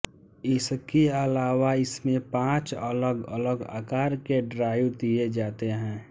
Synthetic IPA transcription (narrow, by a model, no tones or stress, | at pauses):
ɪskeəlaːwaɪsmẽpãːt͡ʃələɡə̰ləɡa̰ːkaːɾkeɖɾaːɪʋd̪ied͡ʒaːt̪eɦɛ̃ː